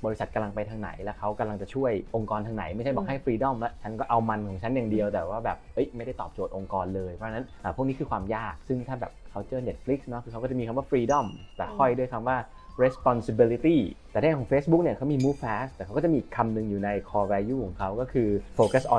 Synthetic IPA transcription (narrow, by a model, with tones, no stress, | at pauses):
bɔː˧ɾi˦˥sa˨˩ka˧mla˧ŋpa˧jt̪ʰaː˧ŋna̰˩˦jlɛ˦˥kʰa˦˥wka˧mla˧ŋt͡ɕa˨˩t͡ɕʰu˥˩əjʔo˧ŋkɔː˧nt̪ʰaː˧na̰˨˩˦jma˥˩jʰt͡ɕa˥˩bɔ˨˩ha˥˩jfɾiː˧dɔ˥˩mlɛ˦˥t͡ɕʰa˦˥nkɔː˥˩ʔa˧wma˧nkʰɔː˩˦ŋt͡ɕʰa˦˥njaː˨˩ŋdi˧əwt̪ɛː˨˩waː˥˩bɛː˨˩p̚ʔɤ˦˥jma˥˩jda˥˩jt̪ɔ̰ː˨˩p̚t͡ɕo˨˩t̪̚ʔo˧ŋkɔː˧nlɤː˧jpʰɔ˦˥t͡ɕʰa˧na˦˥nʔəː˨˩pʰu˥˩ni˦˥kʰɯː˧kʰwaː˧mjaː˥˩k̚sɯ˥˩ŋt̪ʰaː˥˩bɛː˨˩p̚kʰa˦˥wt͡ɕɤː˥˩ne˦˥t̪̚fli˦˥k̚snɔ˦˥kʰɯ˧kʰa˦˥kːt͡ɕa˨˩miː˧kʰa˧waː˥˩fʰɾiː˧dɔ˥˩mlɛ˨˩kʰɔ˥˩jdu˥˩əjkʰa˧mwaː˥˩ | ɾe˦˥spɔ˧nsi˧bi˧li˧˦˥t̪iː˥˩t̪ɛː˨˩ɾʰeː˥˩˨kɔː˩˦feː˦˥sbu˦˥k̚ni˥˩ɐkʰa˦˥wmiː˧muː˦˥pʰɛː˦˥st̪ɛː˨˩kʰwkːt͡ɕmiː˧˨i˨˩kʰːa˧mnɯ˧˩ŋjuː˨˩na˧jkʰɔː˧wɛː˧juː˥˩kʰɔː˩˦ŋkʰa˦˥wkɔː˥˩kʰɯː˧foː˧ka˦˥sʔɔ̰˨